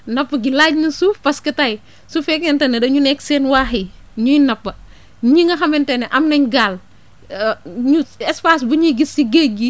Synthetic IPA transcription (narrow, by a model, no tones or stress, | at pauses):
nɐpːɐɡilaːɟnisupɐskɐtɐj | sufɛkɛntɛnɐdɐɲunɛksɛːnwaːɦi | ɲujnɐpːɐ | ɲiŋɐɦɐmɛntɛnɛʔɐmnɐɲɡaːl | ɲuɛspaːs̬buɲiɡisiɡeɡi